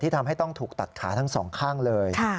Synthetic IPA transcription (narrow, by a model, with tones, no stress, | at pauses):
t̪ʰiː˥˩t̪ʰa˧mɦa˥˩jt̪ɔ˥˩ŋt̪ʰuː˨˩k̚t̪a˨˩t̪̚kʰa̰ː˩˦t̪ʰa˦˥ŋsɔ̰ː˩˦ŋkʰaː˥˩ŋlɤː˧jkʰa˥˩